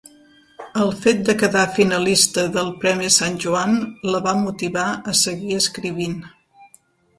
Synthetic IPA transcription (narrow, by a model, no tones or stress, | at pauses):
əlˠfet̪̚d̪əkəðafinəlist̪əðəlˠpɾɛmisanʲʒuanləβamut̪iβaəsəɣiəskɾiβ̞in